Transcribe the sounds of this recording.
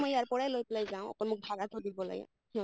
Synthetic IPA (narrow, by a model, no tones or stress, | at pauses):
mɔjaɹpɔɹajlojplajzaʊ̃ɔ̰kɔmʊk̚bʱaɡat̪ʰodibɔla̰ɡa̰ | nɔ